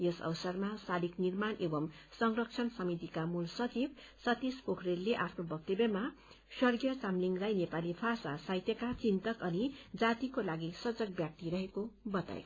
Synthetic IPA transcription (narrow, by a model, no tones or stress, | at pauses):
jesʌ̰wsʌrmasaliknirmanebʌmsʌŋrʌkt͡sʰʌnsʌmit̪ikamulsʌt͡sib | sʌt̪ispokʰrelːeʔapʰnobʌk̚t̪ebema | swʌrɡijʌt͡samliŋɡlajnepalipʰasasajt̪jʌkat͡sint̪ʌkʌnid͡zat̪ikolaɡisʌd͡zʌk̚bjak̚t̪iɾʌɦekobʌt̪a̰j